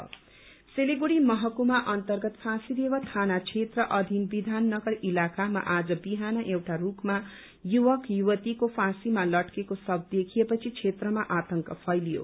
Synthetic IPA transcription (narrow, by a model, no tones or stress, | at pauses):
seleɡuɾimʌɦʌkumaʔʌnt̪ʌrɡʌt̪pʰasid̪ewʌt̪ʰanat͡sʰet̪rʌʔʌd̪ʱinbid̪ʱanːʌɡʌɾilakama̰ʔad͡zʌbiɦanʌʔewʈarukma | juwʌkjuwʌt̪ikopʰasimalʌʈkekosʌb̚ʱd̪ekʰijepʌt͡sʰit͡sʰet̪rʌmaʔat̪ʌŋkʌpʰʌjlijo̰